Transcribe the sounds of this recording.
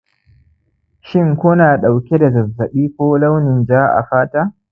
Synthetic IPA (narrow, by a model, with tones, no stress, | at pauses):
ʃɪ˦ŋkʷo˦naː˨ɗa˨wkʲe˦da˨zɐ˨zːɐ˨ɓiː˦kʷoː˦la˦wnɪ˨nd͡ʒaː˦ʔa̰˨ɸaː˦ta˦